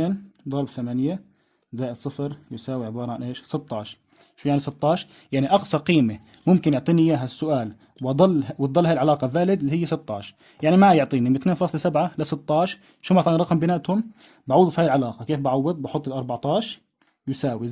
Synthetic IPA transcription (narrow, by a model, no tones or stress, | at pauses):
eːnd̪ˤɑɾˤbθamanja | zaːjɪd̪sˤːɨfɾjʊsaːwiʕɪbɑːɾˤɑʕanʔeːʃsɨt̪ˤːɑːʃɾ | ʃuːjaʕnisɨt̪ˤːɑːʃɾ | jaʕniʔɑqsˤɑqiːme | mʊmkɪnjʊʕt̪ˤiːnijaːɦasːʊʔaːl | wɑd̪ˤɑlːw̪d̪ˤɑlːaːjɪlʕalɑːqɑbaːlɪd̪lːihɪjːasɨt̪ˤːɑːʃɾ | jaʕnimajʊʕt̪ˤiːnimɪt̪neːnfɑːsˤlsabʕalasɨt̪ˤːɑːʃ | ʃuːmat̪ˤɑːnɾˤɑqmbɪnaːʔt̪hʊm | baʕuːd̪ufihaːjɪlʕalɑːqɑkeːfbaʕawːɪd̪ˤbɑħʊt̪ˤːɪlʔɑɾˤbɑʕt̪ˤɑːʃ | jʊsaːwi